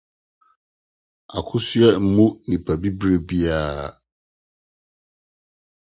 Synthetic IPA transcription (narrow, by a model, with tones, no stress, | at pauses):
a˨kʰʊ˦sʊ˦ɛ˦m̩˦mũ˦nĩ˨pʰa˨bi˦bɾe˦bi˦aː˨